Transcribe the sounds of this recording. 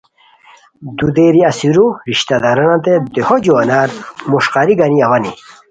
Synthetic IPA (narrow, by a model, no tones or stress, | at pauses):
d̪ud̪eɾiɐsiɾuɾiɕt̪ad̪ɐɾɐnãt̪ed̪ehod͡ʑuɐnaɾmuʂqaɾiɡaniɐwɐni